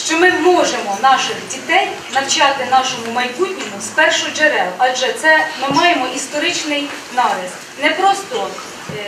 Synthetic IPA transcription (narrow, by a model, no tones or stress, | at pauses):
ʃt͡ʃɔmɪmɔʒemɔnɑʃɪxdʲit̪ɛnʲ | nɐwt͡ʃɑt̪ɪnɑʃɔmʊmɐjbutʲnʲinʊspɛrʃʊd͡ʒeɾɛlˠʔɐʒɛt̪sɛmɪmɑjemɔʔist̪ɔɾɪt͡ʃnɪj | nɑʋʲɪst̪nɛpɾɔst̪ɔ